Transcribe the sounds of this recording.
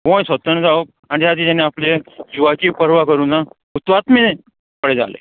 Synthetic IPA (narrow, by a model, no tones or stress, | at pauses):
ɦõjsət̪ənd͡zaok̚ | aɽ̃it̪ʰjat̪̬iːt̪anːeapled͡ʑuʋat͡ɕiːpəɾʋakəɾuːna | ut̪ʋat̪mee | pəɽed͡za̰lḛ